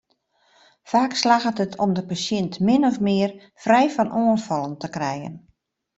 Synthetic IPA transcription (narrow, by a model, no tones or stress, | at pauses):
faːkslaɣətətʰɔmdəpasjɪntmɪnɔfmɪər | frɛjfɔnʔoənfɔlˠəntəkrɛjə̰n